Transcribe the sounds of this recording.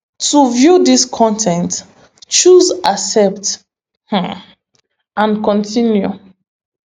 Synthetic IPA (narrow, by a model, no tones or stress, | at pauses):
tuvjudiskʰɔ̃ntʰɛ̃nt | t͡ʃuzasɛp̚t | h̩ | ãnkɔ̃ntʰinju